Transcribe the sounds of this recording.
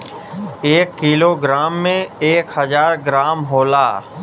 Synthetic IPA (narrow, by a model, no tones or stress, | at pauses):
eːkːiːloːɡɾaːmːẽeːkhəzaːɾɡɾaːmɦoːlaː